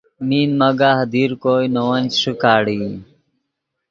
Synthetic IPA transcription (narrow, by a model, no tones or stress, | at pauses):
miːnmɐɡaɦd̪iɾkoːjnowɐnt͡ɕʂikaːɽi